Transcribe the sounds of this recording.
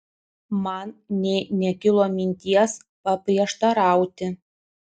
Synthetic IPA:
mɑnnʲɛnʲɛkʲɪlˠoːmʲɪnʲt̪ʲiɛs | pɐpʲɾʲiɛʃt̪ɐɾɑˑʊt̪ʲɪ

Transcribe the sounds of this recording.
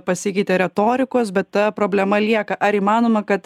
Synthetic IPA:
pɐsʲɪkʲɛɪt̪ʲeɾʲɛt̪oːɾʲɪkoːsbʲɛt̪t̪ɐpɾoːbʲlʲɛmɐlʲiɛkɐʔɐɾiːmɑːnoːmɐkɐt̪

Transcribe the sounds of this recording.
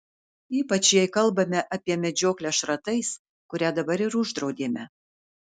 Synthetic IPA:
iːpɐt͡ʃjɛɪkɐlˠbɐmʲɛʔɐpʲiɛmʲɛd͡ʒʲoːklʲɛʃɾɐt̪ɐɪs | kʊɾʲæd̪ɐbɐɾɪɾʊʒd̪ɾɒʊd̪ʲeːmʲɛ

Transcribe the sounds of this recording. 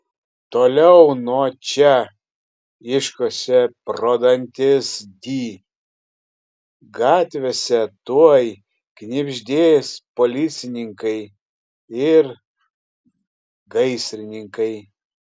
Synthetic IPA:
t̪oːlʲɛʊnuɔt͡ʃʲɛ | ɪʃkoːsʲɛpɾoːd̪ɐnʲt̪ʲɪsd̪ʲiː | ɡɑːt̪ʲʋʲesʲɛt̪uɔj | knʲɪbʲʒʲd̪ʲeːspoːlʲɪt̪sʲɪnʲɪŋkɐɪ | ɪɾ | ɡɐɪsʲɾʲɪnʲɪŋkɐɪ

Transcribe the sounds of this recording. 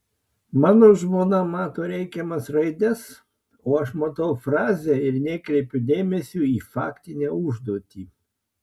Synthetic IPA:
mɑːnoːʒmoːnɐmɑːt̪oːɾʲɛɪkʲɛmɐsɾɐɪd̪ʲɛs | oːɐʃmɐt̪ɐʊfɾɑːzʲɛːɪɾnʲɛːkɾʲɛɪpʲʊd̪ʲeːmʲɛsʲuːiːfɑ̰ːkʲt̪ʲɪnʲæːʊʒd̪oːt̪ʲiː

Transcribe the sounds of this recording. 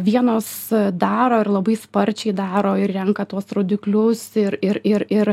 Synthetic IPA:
ʋʲiɛnoːsd̪ɑːɾoːɪɾlˠɐbɐɪspɐɾʲt͡ʃʲɛɪd̪ɑːɾoːɪrrʲɛŋkɐt̪uɔsɾoːd̪ʲɪklʲʊsɪɾɪɾɪɾɪɾ

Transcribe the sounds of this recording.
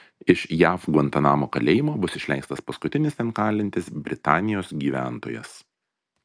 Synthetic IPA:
ɪʃjæːfɡʋɐnt̪ɐnɑːmoːkɐlʲeːjɪmoːbʊsɪʃʲlʲɛŋkst̪ɐspɐskʊt̪ʲɪnʲɪst̪ʲɛnkɑːlʲɪnʲt̪ʲɪsbʲɾʲɪt̪ɑːnʲɪjoːsɡʲiːʋʲæːˑnt̪oːjɛ̰s

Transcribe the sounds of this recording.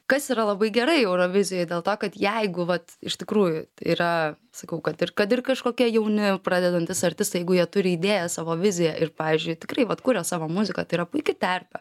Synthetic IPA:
kɐsiːɾɐlˠɐbɐɪɡʲɛɾɐɪɛʊɾoːʋʲɪzʲɪjoɪd̪ʲeːlˠt̪oːkɐt̪jɛɪɡʊʋɐt̪ɪʃʲt̪ʲɪkɾuːjʊt̪ɐɪiɾɐ | sɐkɐʊkɐt̪ɪrkɐt̪ɪrkɐʃkoːkʲiɛjɛʊnʲɪprɑːd̪ʲɛd̪ɐnʲt̪ʲɪsɐɾʲt̪ʲɪst̪ɐɪjɛɪɡʊjiɛt̪ʊɾʲɪiːd̪ʲeːjɛsɑːʋoːʋʲɪzʲɪjɛʔɪrpɑːʋʲizʲd͡ʒʲʊɪtʲɪkrɐɪʋɐt̪kuːɾʲɛsɑːʋoːmʊzʲɪkɐt̪ɐɪiɾɐpʊɪkʲɪt̪ʲɐrʲpʲɛ

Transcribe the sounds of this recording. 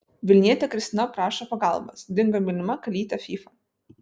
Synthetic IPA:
ʋʲɪlʲnʲiɛt̪ʲɛkɾʲɪst̪ʲɪnɐpɾɑːʃɐpɐɡɑˑlˠbɐ̰sd̪ʲɪŋɡɐmʲɪlʲnʲɪmɐkɐlʲiːt̪ʲɐfʲiːfɐ

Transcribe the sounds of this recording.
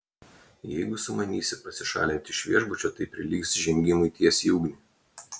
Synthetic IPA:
jɛɪɡʊsʊmɐnʲiːsʲɪpɐsʲɪʃɑ̰ːlʲɪnʲt̪ʲɪʃʲʋʲiɛʒbʊt͡ʃʲot̪ɐɪpʲɾʲɪlʲiːksʒʲɛŋʲɡʲɪmʊɪt̪ʲiɛsʲjuːɡnʲɪ

